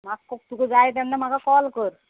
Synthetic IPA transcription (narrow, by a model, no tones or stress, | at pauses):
makkːɔk̚t̪ukəd͡zajt̪̬ɛnːam̤aɡakɔlkəɾ